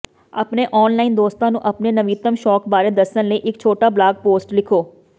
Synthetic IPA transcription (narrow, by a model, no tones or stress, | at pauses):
ə̰pneːʔɔːnlaːɪnd̪oːst̪ãːnũːʔəpneːnəʋiːt̪əmʃɔːkbaːɾeːd̪əsənləiːʔɪk̚t͡ʃʰoːʈaːblaːɡ̚poːsʈlɪkʰoː